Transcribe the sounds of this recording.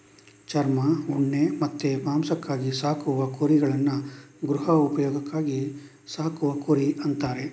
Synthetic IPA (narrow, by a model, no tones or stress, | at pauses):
t͡ʃɐɾmɐuɳːemɐt̪ːemaːmsɐkːaːɡisaːkuʋɐkoɾiɡɐɭɐnːuɡɾuɦɐupɐjɔːɡɐkːaːɡi | saːkuʋɐkoɾiɐnt̪aːɾe̞